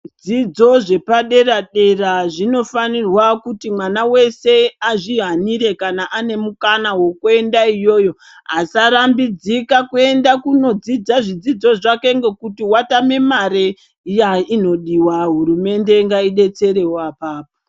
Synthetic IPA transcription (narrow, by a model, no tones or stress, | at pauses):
d͡zid͡zo̞ʐe̞paɗe̞raɗe̞raʐino̞fanirwakutimwanawe̞se̞aʐiɦaniɾe̞kanaʔane̞mukanawo̞kue̞ndaijo̞ːjo̞ | ɦasaɾambid͡zikakue̞ndakuno̞d͡zid͡zaʐid͡zid͡zo̞ʐake̞ŋɡe̞kutiwatame̞maɾe | jaino̞ɗiwaɦuɾume̞nde̞ŋɡaiɗe̞t͡se̞ɾe̞wapaːpo